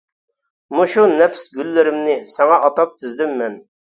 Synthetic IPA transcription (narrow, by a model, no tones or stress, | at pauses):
muʃunɛpʰsɡʲylːɪɾɪmnɪsɛŋɑʔɑt̪ɑp̚t̪ʰɪzd̪ɪmːɛn